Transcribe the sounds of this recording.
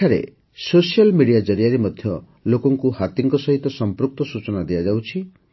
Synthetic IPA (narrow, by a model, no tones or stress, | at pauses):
eʈʰaɾḛ | sosijalmiɽijad͡ʒɔɾijaɾimɔd̪ʱjɔ | lokɔŋkuhat̪iŋkɔsɔɦit̪ɔsɔmpɾuk̚t̪ɔsut͡ʃɔnad̪iad͡ʒawt͡ʃʰi